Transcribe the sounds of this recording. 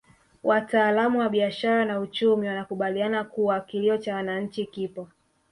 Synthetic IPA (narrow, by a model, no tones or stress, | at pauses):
wʔataːlamuwaɓiaʃaɾanaut͡ʃumiwanakuɓalianakuakiliɔt͡ʃawanaɲ̩t͡ʃikipɔ